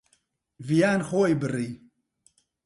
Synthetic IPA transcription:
vijaːnxoːjbɨriː

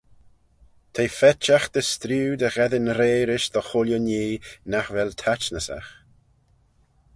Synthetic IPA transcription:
t̪ʰejfɛt͡ʃaxd̪̥əst̪ɾuːd̪əɣɛðɪnɾeːɾɪʃðɔxʊljɔniːnaxvɛlt̪ʰat͡ʃnəsa̰x

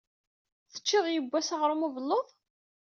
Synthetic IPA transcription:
θə̥t͡ʃːɪðˤjəbʷːæsaʁɾumuvəlːoðˤ

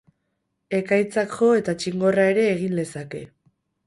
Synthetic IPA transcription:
e̞kajt͡sakʝo̞e̞t̪at͡ʃiŋɡo̞rae̞ɾe̞ːɣ̞inle̞sake̞

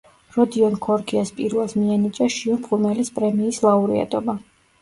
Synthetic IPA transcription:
ɾɔd̪iɔnkʰɔɾkʰiaspʼiɾvɛlˠsmianit͡ʃʼaʃiɔmbχumɛlispʼɾɛmiːslˠauɾḭa̰t̪ʼɔba

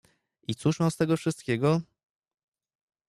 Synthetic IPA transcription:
it̪suʂmast̪ɛɡɔfʂɘst̪̚kʲɛɡɔ

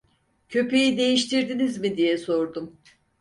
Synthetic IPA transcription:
cʰø̞pe̞jid̪e̞jiʃt̪ʰiɾd̪inizmid̪ijɛso̞ɾd̪um

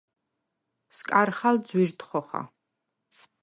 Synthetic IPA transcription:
skʼaɾχald̪zwiɾt̪ʰχɔχa̰

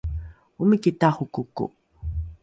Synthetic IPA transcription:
umikitaχukukṵ

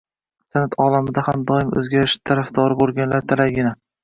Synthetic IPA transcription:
sanat̪ʰɒlamɪd̪ahamd̪ɒɪmɵ̰zɡʲaɾɪʃt̪ʰaɾafd̪ɒɾɪbolˠɡʲanlaɾt̪ʰalaɡʲɪna

